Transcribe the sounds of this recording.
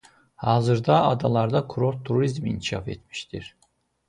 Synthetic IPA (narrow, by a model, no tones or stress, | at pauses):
hɑːzɯɾd̪ɑɑd̪ɑlˠɑɾd̪akʰuɾoɾt̪ʰːuɾizmḭnkʲiʃɑ̰fḛt̪mi̥ʃt̪ʰiɾ